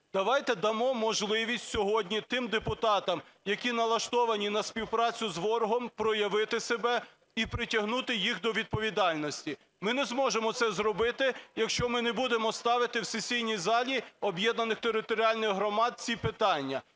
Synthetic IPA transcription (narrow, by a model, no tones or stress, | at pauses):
d̪̥ɐʋɑjt̪ɛd̪ɐmɔmɔʒlˠɪʋʲisʲtʲsʲɔɦɔdʲnʲit̪ɪmd̪epʊt̪ɑt̪ɐmjɐkʲinɐlˠɐʃt̪ɔʋɐnʲinɐsʲpʲiwpɾɑt͡sʲʊzʋɔɾʊɦɔmpɾɔjɐʋɪt̪ɪsebɛ | ipɾɪtʲɐɦnut̪ɪjixd̪ɔʋʲid̪̚pɔʋʲid̪ɑlʲnɔsʲtʲi | mɪnɛzmɔʒemɔt̪sɛzrɔbɪt̪ɪjɐkʃt͡ʃɔmɪnebud̪e̞mɔst̪ɑʋɪt̪ɪwsesʲijnʲijzɑlʲiɔbjɛd̪nɐnɪxt̪eɾɪt̪ɔɾʲiɑlʲnɪjɦɾɔmɑd̪̚t͡sʲipɪt̪ɑnʲːɐ